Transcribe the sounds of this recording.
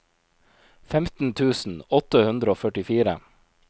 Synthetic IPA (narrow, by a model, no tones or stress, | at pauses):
fɛmt̪n̩t̪ʰʉːsn̩ɔt̪əhʉnd̪ɾəoːfœʈɪfiːɾə̰